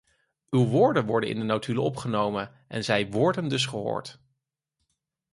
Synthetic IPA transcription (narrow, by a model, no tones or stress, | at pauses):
ywʋʊːɹdənʋɔɹdənʔɪ̰ndənowtʰyləɔpχənowmən | ʔɛ̰nzɛjʋɔɹdəndɵs̬χəɦʊ̰ːɹt